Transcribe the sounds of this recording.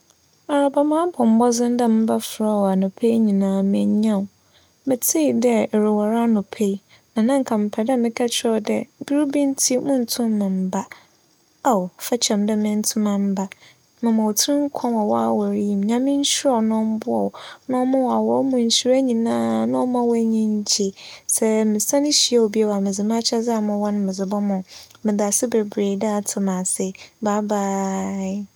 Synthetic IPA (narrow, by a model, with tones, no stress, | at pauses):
a˨ɾa˨ba˨mã˦bʰɔ̃˨m̩˦bɔ˦zɪ̃˦n˦dɛ˦m̩˦ba˦fɾa˦˨wa˨nʊ̃˨pʰe˦ɲĩ˨nãː˨˦mɪ̃˨˦ɲã˦˨ | mɪ̃˨tʰi˦˨dɛ˦˨ɾɪ˨wa˨ɾa˦nʊ̃˨pʰe˦ | nã˨nã˦ŋ̩˨kʰã˨m̩˨pʰɛ˨dɛ˦mɪ̃˦kʰa˦t͡ɕʰɪ˦ɔ˨dɛ˦bi˦ɾi˦bĩ˦n˦tʰi˦mʊ̃˦n̩˨tʰʊ̃˦mː˦ɪ̃˨m̩˨ba˦ | a˨wfɛ˦t͡ɕʰɛ̃˨mdɛ˦mɪ̃˦n̩˦tʰʊ̃˦mã˨m̩˦ba˦ | mɪ̃˨mã˨wtʰɪ˦ɾɪ̃˦ŋ̩˦kʰɔ̃˦a˨wɔ˦a˦wɔ˨ɾjĩ˨mɲã˦mɪ̃˦ɲ̩˦ɕɪ˦ɔ˨nɔ̃˦m˦bʊ˦ɔ̰˨nɔ̃˦mʊ̃˦wa˨wɔ˦mʊ̃˨ɲ̩˨ɕi˨˦ɾa˦ɲĩ˨nãː˦nã˦ɔ˦mã˦wɔ˦ɲĩ˦ɲ˦d͡ʑe˨sɛ˦mɪ̃˨sã˦nɪ̃˦ɕi˨˦ɛ˦˨wo˨bi˦e˦wa˨mɪ̃˨zɪ˨mã˦t͡ɕʰa˦za˦˨mʊ̃˨wɔ˦nʊ̃˦mɪ̃˨zɪ˨bɔ˦mʊ̃˨mɪ̃˨da˨sɪ˦be˨bɾe˨da˦˨tʰʊ˨mã˨sɪ˨ba˦baː˦